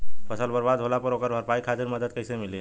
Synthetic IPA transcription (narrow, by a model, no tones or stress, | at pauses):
pʰəsəlbəɾbad̪ɦolapəɾokəɾbʱəɾpaikʰat̪iɾməd̪əd̪̚kəjsemili